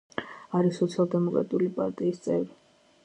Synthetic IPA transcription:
aɾisɔt̪sʰialˠd̪ɛmɔkʼɾa̰t̪ʼulipʼa̰ɾt̪ʼiːst̪sʼɛvɾi

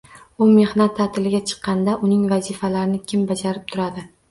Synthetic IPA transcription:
ʊme̞hnat̪ʰːat̪ʰɪlɪɡʲat͡ʃʰɨ̥qːɑnd̪aʔʊnɪŋvazɪfalaɾɪnɪkʲʰɪmbad͡ʒaɾɪp̚t̪ʰʊɾad̪ɪ

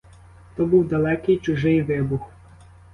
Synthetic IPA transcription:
t̪ɔbuwd̪ɐlˠɛkɪjt͡ʃʊʒɪjʋɪbux

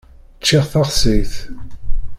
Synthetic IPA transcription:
t͡ʃːɪʁθɑʁsiθ

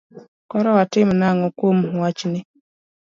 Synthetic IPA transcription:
kɔɾɔwatɪmʊnaŋɔkʷom̩ɦuwat͡ʃine

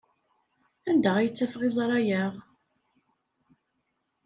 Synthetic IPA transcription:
ænd̪æʁjət͡sːæfʁɪzˤɾˤɑjæʁ

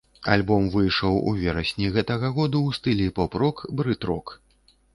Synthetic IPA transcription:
a̰lʲbɔmvɨjʂɐwṵvʲɛɾɐsʲnʲiɣɛt̪ɐɣɐɣɔd̪uwst̪ɨlʲipɔpɾɔkbɾɨt̪ɾɔk

